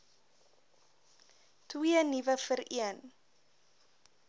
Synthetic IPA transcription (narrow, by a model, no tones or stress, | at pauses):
twiənivəfəɾiən